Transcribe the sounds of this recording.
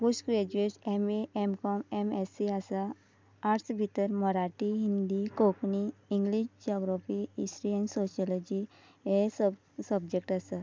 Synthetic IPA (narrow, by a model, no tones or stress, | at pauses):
kusɡɾed͡ʑuesemeʔemkɔmemesiasaː | ɾsbʱit̪əɾmɔɾaʈiɦĩnd̪ikokniĩŋɡliɕd͡ʑɔɡɾafiisʈɾiə̃nsosjɔlɔd͡ʑi | es | səbd͡ʑek̚ʈasa